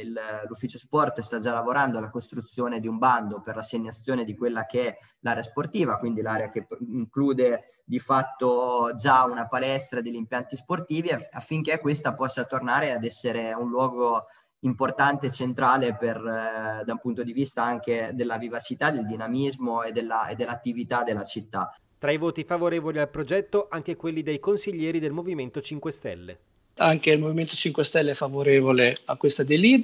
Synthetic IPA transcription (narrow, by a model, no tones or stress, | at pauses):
illufːit͡ʃospɔrt̪st̪ad͡ʒalːavoɾand̪oalːakost̪ɾut̪sːjoːned̪iumband̪operlasːeɲːat̪sːjoːned̪ikwelːakeɛ | laːɾeasport̪iːvakwind̪ilaɾeakeiŋkluːd̪e | d̪ifat̪ːod͡ʒaunapalɛst̪ɾad̪eʎːimpjant̪isport̪iːviafːiŋkekːwest̪apɔsːat̪ornaːɾead̪ɛsːeɾeunlwɔːɡo | import̪ant̪et͡ʃent̪ɾaːleperd̪aumpunt̪od̪ivist̪aaŋk̟ed̪elːavivat͡ʃit̪ad̪eld̪inamizmoed̪elːaḛd̪ːelːat̪ːivit̪ad̪ːelːat͡ʃit̪ːa̰ | t̪ɾaivoːt̪ifavoɾeːvolialpɾod͡ʒɛt̪ːoʔaŋk̟ekwelːid̪ejkonsiʎːɛːɾid̪elmoviment̪ot͡ʃiŋkwest̪ɛ̰lːḛ | aŋkeilmoviment̪o̥t͡ʃiŋkwest̪ɛlːeɛfavoɾeːvoleakːwest̪ad̪eli